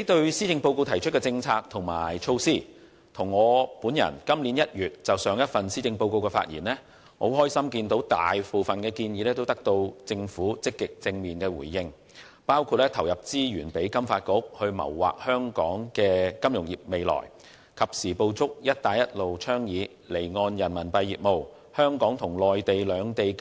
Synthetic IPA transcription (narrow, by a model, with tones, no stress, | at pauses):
e˨˥jt̪ɵ˧ɥsiː˥t͡sɪ˧ŋpo˧wko˧wt̪ʰɐ˨˩jt͡ʃʰɵ˥t̚kɛ˧t͡sɪ˧ŋt͡sʰaː˧k̚t̪ʰʊ˨˩ŋma̰ː˨˩jt͡ʃʰo˧wsiː˥˩ | t̪ʰʊ˨˩ŋːɔː˨˧puː˨˥njɐ̰˨˩nkɐ˥mliː˨˥njɐ˥t̚jyː˨˩t̚t͡sɐ˨wsœː˨˧ŋjɐ˥t̚fɐ˨nsiː˥t͡sɪ˧ŋpo˧wko˧wkɛː˧fa̰ː˧t̚jḭː˨˩nlɛː˥ | ho̰˨˥wɦɔː˥jsɐ˥mkiː˧nt̪o˨˧˥wt̪a̰ː˨jfu˨fɐ˨nkɛː˧kiː˧njiː˨˧lɛː˥t̪o˥wt̪ɐ˥k̚t̪o˧wt͡sɪ˧ŋfuː˨˥t͡sɪ˥kːɪ˨k̚t͡sɪ˧ŋmiː˨nkɛː˧wṵː˨˩jːɪ˧ŋ | paː˥wkʰuː˧t̚ɛː˥t̪ʰɐ˨˩wjɐ˨˩p̚t͡siː˥jyː˨˩npe˨˥jkɐ˥mfaː˧t̚kʊ˥k̚hɵ˧ɥmɐ̰˨˩wwa̰ː˨k̚hœː˥ŋkɔː˨˥ŋkɛː˧kɐ˥mjʊ˨˩ŋjḭː˨˩p̚me˨˧jlɔ̰ː˨˩j | kʰɐ˨p̚siː˨˩po˧wt͡sʰʊ˥k̚jɐ˥t̚t̪aː˨˧jɐ˥t̚lo˨wt͡ʃʰœː˥ŋjiː˨˧ | le˨˩jŋɔː˧njɐ˨˩nmɐ˨˩npɐ˧jːiː˨p̚mo˨˧w | hœː˥ŋkɔː˨˥ŋt̪ʰʊ˨˩ŋlɔː˨jt̪e˨jlœː˨˧ŋt̪e˨j